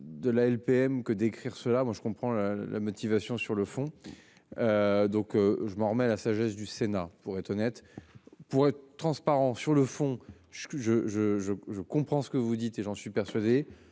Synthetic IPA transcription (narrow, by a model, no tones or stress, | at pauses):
d̪əlaɛlpeɛmkəd̪ekχiʁsəlamwaʒəkɔ̃pχɑ̃lala̰mɔt̪ivasjɔ̃syʁləfɔ̃ | ød̪ɔ̃køʒəmɑ̃ʁəmɛalasaʒɛsd̪ysenapuʁɛt̪χɔnɛt̪puʁɛt̪χəət̪ːχɑ̃spaʁɑ̃syʁləfɔ̃ | ʒʒəʒəʒəʒəkɔ̃pχɑ̃sə̥kəvud̪it̪eʒɑ̃sɥipɛʁsɥad̪e